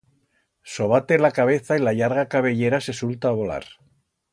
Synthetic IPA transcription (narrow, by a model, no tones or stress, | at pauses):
so̞β̞at̪e̞lakaβ̞e̞θailaʎaɾɣakaβ̞e̞ʎe̞ɾase̞sult̪aːβo̞la̰ɾ